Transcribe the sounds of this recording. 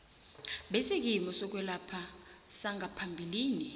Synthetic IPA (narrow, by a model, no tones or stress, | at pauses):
ɓɛsek̬ʼimɔsɔk̬ʼwɛlapʰasaŋʱapʰambʱiliːni